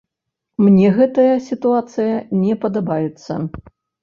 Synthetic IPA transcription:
mnʲɛɣɛt̪ɐjɐsʲit̪uat̪sɨjɐnʲɛpɐd̪abajɛt̪sːɐ̰

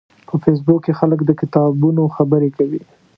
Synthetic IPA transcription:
pəfes̬bukːexaləkd̪əkɪt̪ɑbunoxabəɾekawi

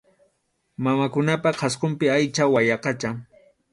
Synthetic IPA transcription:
mamakʊnapaqʰɑsqompɪajt͡ʃawajɑqɑt͡ʃaŋ

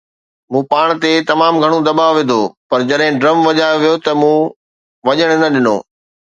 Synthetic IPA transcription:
mũːpaːɽ̃t̪et̪ɐmaːmɡʱɐɽ̃od̪ɐɓaːʋed̪ʱoːpɐɾd͡ʑɐɗɦɪ̃ɖɾɐmʋɐʄaːjoʋijot̪ɐmũː | ʋɐʄəɽ̃nɐɗɪno̰ː

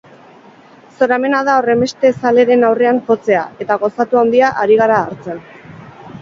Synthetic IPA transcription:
so̞ɾame̞nað̞ao̞re̞mbe̞st̪e̞sale̞ɾe̞nawre̞anfo̞t͡se̞a̰e̞t̪aɣ̞o̞sat̪uawnd̪iaʔaɾiɣ̞aɾaːɾt͡se̞n

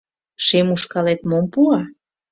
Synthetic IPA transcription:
ʃemuʃkɑlet̪mompuɑ

